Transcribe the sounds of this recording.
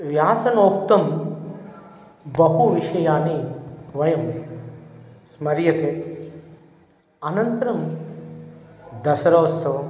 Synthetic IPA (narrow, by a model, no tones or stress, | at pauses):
ʋjaːsɐnoːkt̪ɐm | bɐɦuʋiʃɐjaːniʋɐjɐm | smɐɾjɐt̪ʰeːt̪ | ɐnɐnt̪ɐɾɐm | d̪ɐsɐɾɐːsɐ